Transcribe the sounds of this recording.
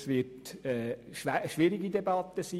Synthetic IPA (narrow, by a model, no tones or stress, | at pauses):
sʋɪtɛːʃæʃʋiɾiɡidebɑt̪ːəsiː